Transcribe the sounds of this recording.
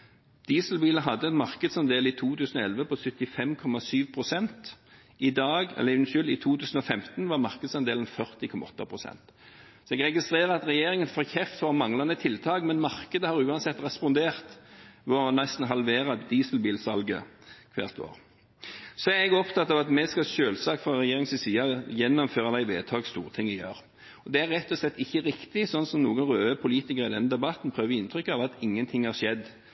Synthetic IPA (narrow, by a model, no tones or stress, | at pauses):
d̪̥iːsəl̩biːləɦɑd̪ːəɛt̪mɑʁkəd̪sɑnd̪eːlɪt̪ʰuːt̪ʉːsn̩ɔɛlʋəpʰɔsʏt̪ːɪfɛmkʰɔmɑsyːʋpʰʁʊsɛnt̪ | ɪd̪ɑːɡɛ̰lɪʋnʃʏlɪt̪ʰuːt̪ʰʉːsən̩ɔfɛmt̪n̩ʋɑʁmɑʁkəd̪sɑnd̪eːlənfœʁt̪ɪkʰɔmɑɔt̪ːɑpʰʁʊsɛ̰nt̪ | sɔɛɡʁɛɡɪst̪ʁeːʁəɑt̪ʁɛjeːʁɪŋənfoːʁçɛft̪fɔʁmɑŋlɑnət̪ʰɪlt̪ʰɑːkmɛnmɑʁkəd̪əhɑʁʉːɑnsɛt̪ːʁɛspɔnd̪eːʁt̪ʋɔnɛst̪n̩ɦɑlʋeːʁɑd̪iːsəlbiːlsɑlɡə̰kʰʋæ̰ːʁt̪ʰo̰ːʁ | sɔæʁɛɡɔpt̪ʰɑt̪ːɑʋɑt̪mɛskɑʃøːlsɑːkfʁɑɾɛjeːɾɪŋsɪsiːɑjɛnːɔmføːʁɑd̪æɪʋeːt̪ʰɑːɡst̪uːʁət̪ʰɪŋːɪjøːɾ | ɔd̪ɛæɾʁɛt̪ːɔslɛt̪ːɪçːəʁɪkt̪ɪsɔnːsɔmnuːɡənʁøːəpʰʊliːt̪ɪkəʁɪd̪ɛnːəd̪ɛbɑt̪ːn̩pʰʁøːʋəɪnt̪ʰʁʏkːɑʋɑt̪ɪŋːənt̪ʰɪŋhɑʁʂɛd̪ː